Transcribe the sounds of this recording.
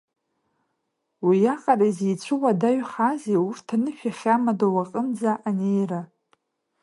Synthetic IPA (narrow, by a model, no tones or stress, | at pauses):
wijaqʼaɾaizejt͡sʷʰɨwadaɥχazeurtʰanɨʃᶣaχʲamadowaqʼənd͡zaʔanejɾa